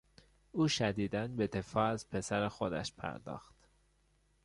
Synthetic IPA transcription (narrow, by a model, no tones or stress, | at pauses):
uːʃæd̪iːd̪ænbe̞d̪e̞fɒːæzpʰe̞sæɾexod̪æ̰ʃpʰæ̰ɾd̪ɒ̰ːxt̪